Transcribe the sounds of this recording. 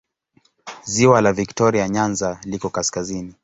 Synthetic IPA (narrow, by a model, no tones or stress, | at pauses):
ziwalaviktɔɾiaɲanzalikɔkaskazini